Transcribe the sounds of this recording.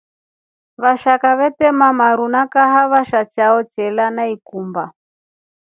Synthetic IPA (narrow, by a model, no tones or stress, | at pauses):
βaʃakaβɛtɛmamaɾunakaɦaβaʃat͡ʃaɔt͡ʃɛlanaikumba